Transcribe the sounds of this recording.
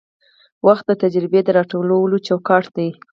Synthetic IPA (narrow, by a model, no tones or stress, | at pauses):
waxt̪̚d̪ət̪ad͡ʒɾɪbed̪əɾɑʈolawəlot͡ʃawkɑʈd̪aj